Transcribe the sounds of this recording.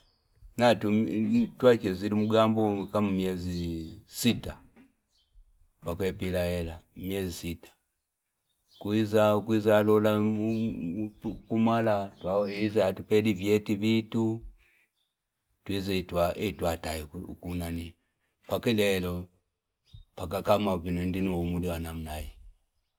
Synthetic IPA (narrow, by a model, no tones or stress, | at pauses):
natutwat͡ʃɛzilimuɡambɔkamumjɛzisita | pakwɛpilaɛlamjɛzisitḁ | kwizaukwizalɔla | kumalatwaɔizaatupɛlivjɛtiβitu | twizitwaʔɛtwataḭkunani | pakɛlɛlɔ | pakakamavinɛndinuɔmuliwanamnaji